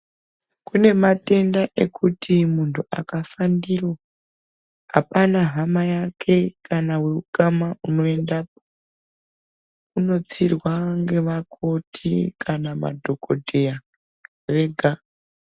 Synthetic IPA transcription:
kune̞mate̞ndaʔe̞kʰutʰimuntʰua̰kafandiro | apanaɦamajakʰe̞kʰanawe̞ukamauno̞endap̚o | uno̞t͡sirwaŋɡe̞ʋakʰo̞tʰikʰanama̰dʱo̞ko̞dʱeja | re̞ɡʱa

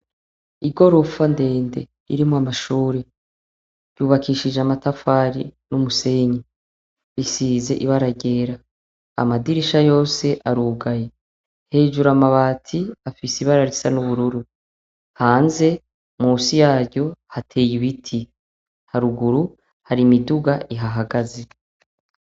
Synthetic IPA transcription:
iɡo̞ɾo̞fande̞ːnde̞̰ | ḭɾimoamaʃuːɾe | ɟ̥uːβakʰiːʃid͡ʒeamatafaːɾinumuse̞ɲi | isiːze̞ʔiβaɾaɟe̞ːɾa̰ː | madiɾiʃajo̞ːse̞ʔaɾuɡaje | he̞ːd͡ʒuɾamaβaːtʰiafisiβaɾaɾisanuβuɾuɾu | haːnze̞ | muːsijaːɾɟo̞hatʰe̞ːjiβitʰi | haɾuɡuɾu | haɾimiduɡaiɦaɦaɡaze̞

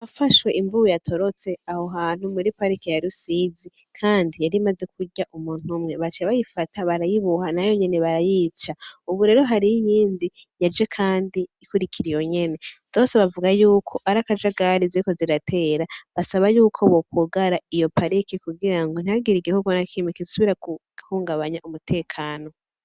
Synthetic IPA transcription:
βafaʃwe̞ʔiɱvuujatʰo̞ɾo̞t͡se̞aho̞ɦaːn̥umuɾipaɾikijaɾusizi | kʰaːndijaɾimaze̞k̚uɟaʔumuːn̥humŋe̞βat͡ʃeβajifatʰaβaɾajiβuhanajo̞ɲe̞ne̞βaɾajiːt͡ʃauβuɾe̞ːɾo̞ɦaɾiijiːndi | jad͡ʒekʰaːndiːkuɾikʰiɾijo̞ɲe̞ne̞z̥o̞ːse̞βavuɡajuːkʰo̞ʔaɾakad͡ʒaɡaɾiziiko̞ziɾatʰe̞ɾaβasaβajuːkʰo̞βokʰuɡaɾaijo̞paɾikikuɡiɾaŋɡo̞n̥iaɡiɾiɡehukonakʰimikizisuβiɾau | huːŋɡaβaɲaʔumutʰe̞ːkʰaːno̞

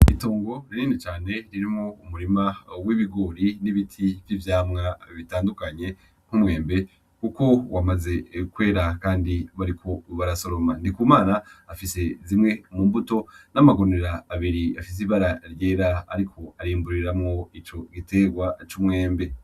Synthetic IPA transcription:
ḭtuːŋɡo̞ɾiɾiːnit͡ʃaːne̞ɾiɾimŋoumuɾimawiβiɡo̞ɾiniβitʰivjivjaːmŋaβitaːndukaɲe̞ | ŋ̥umŋe̞ːmbe̞ | kuko̞wʔamaze̞kwe̞ːɾakaːndiβaɾikʰo̞βaɾaso̞ɾomandikumaːnaːfise̞zimŋe̞muːmbuto̞namaɡo̞neɾaːβiɾiafis̬iβaɾaɾje̞ːɾaa̰ɾikʰo̞aɾiːmbuɾiɾamŋo̞it͡ʃo̞ɡite̞ːɡwat͡ʃumŋe̞ːmbe̞

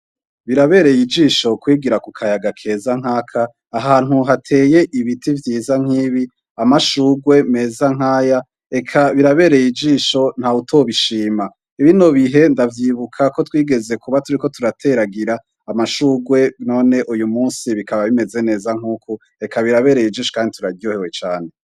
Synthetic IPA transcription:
βiɾaβe̞ːɾe̞jid͡ʒiːʃo̞kwiːɡiɾakukʰajaɡakʰe̞zaŋ̥aːkʰaː | ɦaːnuɦatʰe̞ːje̞ʔiβitivjiːzaŋ̥iːβi | amaʃuɡwe̞me̞zaŋ̥aːja | e̞kʰaβiɾaβe̞ɾe̞jid͡ʒiːʃo̞n̥hautʰo̞βiʃiːma | iβino̞βiɦe̞ndavjiːβukʰako̞twiːɡe̞ze̞kuβatuɾiko̞tuɾatʰe̞ɾaɡiɾaː | maʃuːɡwe̞no̞ːne̞ʔujumuːnsiβikʰaβaβime̞ze̞ne̞ːzaŋ̥uːkʰu | e̞kaβiɾaβe̞ɾejid͡ʒiːʃokaːndituɾao̞hewe̞t͡ʃaːne̞

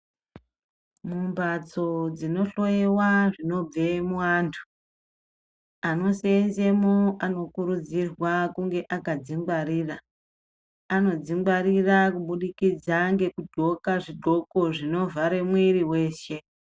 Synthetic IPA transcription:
mumbad͡zo̞d͡zino̞ɬo̞jewaʐino̞b͡ve̞muwaːntʰu̥ | ano̞seːnze̞moano̞kuɾud͡zirwakuŋɡe̞ʔakad͡ziŋɡwaɾiːra | ano̞d͡ziŋɡwaɾirakuɓuɗikid͡zaŋɡe̞kudʱo̞kaʐidʱo̞ko̞ʐino̞vaɾe̞mwiriwe̞ːʃe̞

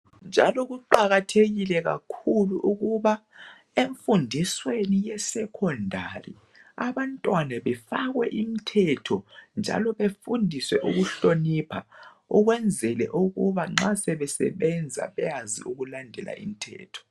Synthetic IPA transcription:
nd͡ʒʱa̰lɔɣuǃaɣatʰeɣilɛɣa̰kʰuluʔuɣuβa | eɱfundʱiswenijɛsɛkʰɔndʱarḭ | aβantʼwanaβɛfaɣwɛʔimitʰɛtʰɔnd͡ʒʱa̰lɔβefundʱiswɛʔuɣuɬonipʰa | uɣwɛnd͡zʱɛlɛʔuɣuβaŋ͡ǁasɛβɛsɛ̰βɛnd͡zʱa̰βɛjazḭuɣulandʱɛlʔa̰ʔḭm̩tʰɛ̰ːtʰɔ̥

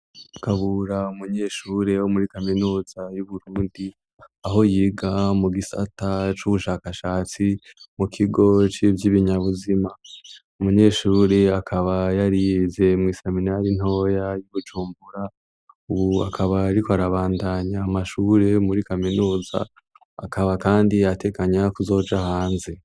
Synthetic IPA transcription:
kaβuɾaumuɲe̞ːʃuːɾe̞womuɾikaminuːz̥ajuβuɾuːndi | aɦo̞jiːɡamuɡisa̰tat͡ʃuβuʃaːkaʃaːt͡simukʰiɡo̞t͡ʃivjiβiɲaβuzima | umuɲe̞ːʃuːɾe̞akʰaβajaɾijze̞mŋiːseminaɾin̥ho̞ːjajuβud͡ʒuːmbuɾa | uβua̰kʰaβaːɾikoaɾaβaːndaɲaːmaʃuːɾe̞muɾikaminuːza̰ː | kaβakaːndiate̞kaɲakuzo̞ːd͡ʒahaːnze̞

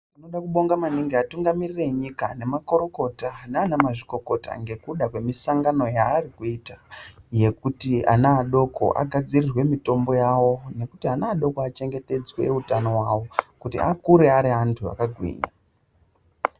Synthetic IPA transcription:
uno̞ɗakuɓo̞ŋɡamaniŋɡeatuŋɡamirire̞ɲikane̞mako̞ɾo̞ko̞taneanamaʐiko̞ko̞ta̰ŋɡe̞kuɗakwe̞misaŋɡano̞jaːrikuitaje̞kutia̰naːɗo̞kʰo̞̰ʔa̰ɡʱad͡zirirwe̞mito̞mbo̞jawo̞ne̞kutianaːɗo̞koat͡ʃe̞ŋɡe̞te̞d͡zwe̞̰utano̞wawo̞kutḭa̰kuɾe̞aɾiɦantʰua̰kaɡʱwḭɲa

